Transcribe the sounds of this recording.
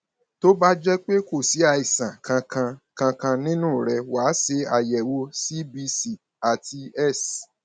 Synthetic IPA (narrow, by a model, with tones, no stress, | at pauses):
to˦ba˦d͡ʒɛ˦k͡pe˦ko˦˨si˨˦a˧˨i˨sã˨kʰã˧kʰã˧kã˧kã˧nĩ˦nũ˦˨ɾɛ˧wa˨˦se˧a˨jɛ˨wo˧˦si˦bi˧si˦˨ | a˨ti˧ɛ˦˨s